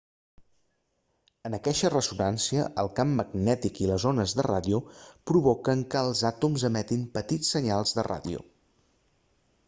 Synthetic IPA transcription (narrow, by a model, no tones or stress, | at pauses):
ənəkɛʃərəzunansiəʔəlˠkamːəɡnɛt̪ikiləzonəzðəra̰ðiupɾuβɔkəŋkəːlˠzat̪umzəmɛt̪impət̪it͡sːəɲalˠzðəra̰ðḭṵ